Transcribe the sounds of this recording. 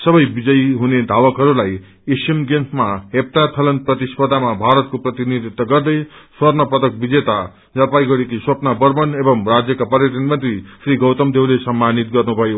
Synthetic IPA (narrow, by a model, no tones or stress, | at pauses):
sʌbʌjbid͡zʌjɦuned̪ʱawʌkɦʌɾulaj | esjemɡensʰmaɦep̚t̪at̪ʰʌlʌnprʌt̪ispʌd̪ʱamabʱaɾʌt̪̚koprʌt̪inid̪ʱit̪ːʌɡʌrd̪ʌjswʌrnʌpʌt̪ʌk̚bid͡zet̪a | d͡zʌpajɡʌɾekiswʌpnabʌrbʌnebʌmrad͡zjʌkapʌɾjʌd̪ʱʌnmʌnt̪risriɡʌwt̪ʌmd̪ewlesʌmːanit̪ɡʌrnubʱʌjo